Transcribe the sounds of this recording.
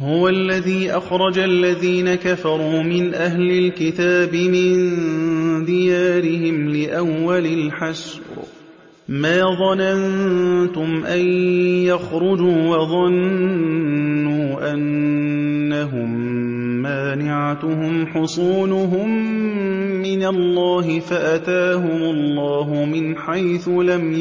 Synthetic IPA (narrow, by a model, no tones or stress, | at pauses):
hʊwalːaðiːʔaxɾˤɑd͡ʒaʔlːaðiːnakafɑɾˤuːmɪnʔaɦlɪlkɪt̪aːbɪmɪn | d̪ɪjaːɾɪhɪmlɪʔawːalɪlħasɾ | maːðˤɑnant̪ʊmʔajjaxɾʊd͡ʒuːwɑðˤɑn | uːʔanː | aɦʊmː | aːnɪʕat̪ʊɦʊmħʊsˤuːnʊɦʊmː | ɪnalːɑːɦɪfaʔat̪aːɦʊmʊlːɑːɦʊmɪnħajθʊlam